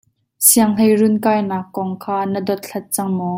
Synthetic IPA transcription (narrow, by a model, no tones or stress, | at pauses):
siəŋl̥ejrunkaːjnaːkːɔŋkʰaːnədɔt̪̚ɬʰɐt̪̚t͡sɐŋmɔː